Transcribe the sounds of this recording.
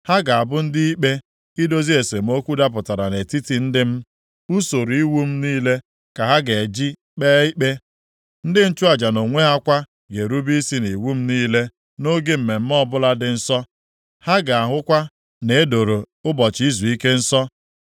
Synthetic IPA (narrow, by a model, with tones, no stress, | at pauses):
ha˦ɡa˨a˨bʊ˦n̩˦dɪ˦i˦k͡pe˦ | i˦do˦zi˦e˨se˨m̩˦o˦kʷu˦da˦p̬ʊ˨ta˨ɾa˨ne˨ti˦ti˨n̩˦dɪ˦m̩˦ | u˦so˨ɾu˨i˦wu˦m̩˦niː˦le˦ | ka˨ɦa˦ɡe˨d͡ʒi˦ | k͡peː˦i˦k͡pe˦ | n̩˦dɪ˦n̩˦t͡ʃu˦a˨d͡ʒa˨no˨ŋʷe˦ɦa˦kʷa˦ | ɡe˨ɾu˦bi˦i˦si˦ni˨wu˦m̩˦niː˦le˦ | no˦ɡe˦m̩˨me˨m̩˦mɔ˦bʊ˦la˦dɪ˨n̩˦sɔ˦ | ha˦ɡa˨a˨ɦʊ˦kʷa˦ | ne˨e˦do˨ɾo˨ | ʊ˦bɔ˨t͡ʃi˦zu˨i˦ke˦n̩˦sɔ˦